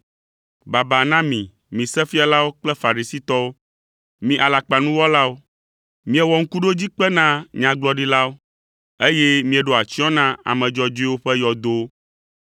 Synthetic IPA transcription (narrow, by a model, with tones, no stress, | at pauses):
ba˨ba˨nã˦mĩ˨ | mĩ˨sɛ˦fi˦a˨la˦wo˦k͡plɛ˦fa˨ɾi˨si˦t̪ɔ˦wo˦ | mĩ˨ʔa˨la˨k͡pa˨nũ˦wɔ˦la˦wo˦ | mĩ˦ɛ˨wɔ˨ŋ̩˦ku˦ɖo˦d͡ʑi˦k͡pɛ˦nã˦ɲã˨ɡ͡blɔ˦ɖi˦la˦wo˦ | e˦jɛ˦mĩ˦ɛ˨ɖo˦˨a˨t͡ɕi˦ɔ̃˦nã˦a̰˨mɛ̃˨d͡ʒɔ˦d͡ʒo˦i˦wo˦ɸɛ˦jɔ˨d̪o˦